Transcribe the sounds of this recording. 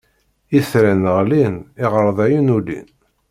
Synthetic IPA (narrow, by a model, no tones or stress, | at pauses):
iθɾænəʁlinɪʁəɾˤðˤæjunulḭn